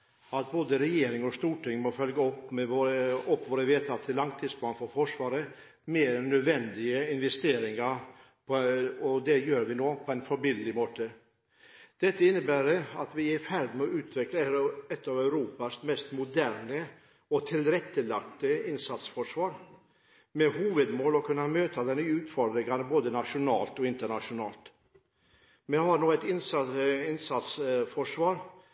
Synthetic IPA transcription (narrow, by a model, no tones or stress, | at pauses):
ɑt̪̚boːd̪əɾɛjeːɾɪŋɔst̪uːʈɪŋmɔfœlɡɑɔpːmɛoɾɔpːʋoːɾəʋeːt̪ʰɑːt̪ʰːɪlːɑŋt̪ʰiːsplɑːnfɔɾfɔʂʋɑːɾə | meːɾnœd̪ʋɛnd̪ɪəɪnʋɛst̪eːɾɪŋɑɾ | pʰɔɔd̪ɛjøːɾʋɪnoːpʰɔɛɪnfɔɾbɪləlɪmoːt̪ə | d̪̥ɛt̪ːəɪnːəbæːɾəɑt̪ʋɪæɾfæɾd̪mɛɔʉːt̪ʰʋɪkləɾɛt̪ːɑːʋæʉɾuːpɑsmɛst̪mʊd̪æɾnə | ɔt̪ʰɪlɾɛt̪ːəlɑk̚t̪əɪnsɑt̪sfɔʂʋɑːɾ | mɛhuːʋəd̪moːlɔkʰʉnːɑmøːt̪ɑd̪ɛnyːʉːt̪fɔɾd̪ɾɪŋɑnəboːd̪ənɑʂʊnɑ̰ːlt̪ɔɪnt̪əɳɑʂʊnɑ̰ːlt̪ | mɛhɑɾnoːɛt̪ɪnsɪnsɑt̪sfɔʂʋɑːɾ